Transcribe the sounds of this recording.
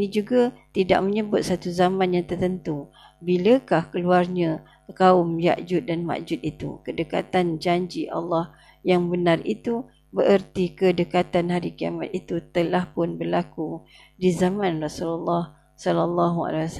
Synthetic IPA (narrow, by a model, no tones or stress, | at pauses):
nid͡ʒuɡat̪ida̰ʔ̚məɲəbʊt̪̚sat̪uzamãnjaŋt̪ərt̪ənt̪u | biləkahkəluarɲã | kaʊmja̰ʔd͡ʒʊt̪̚danma̰ʔd͡ʒʊt̪̚it̪ṵkədəka̰t̪and͡ʒaɲd͡ʒiʔa̰lːɑh | jaŋbənarḭt̪u | bəʔərt̪ikədəkat̪anɦaɾikia̰ma̰t̪̚it̪ut̪əlahpʊnbərlaku | dizamãnrasululːɑh | sɔlalːɑɦua̰les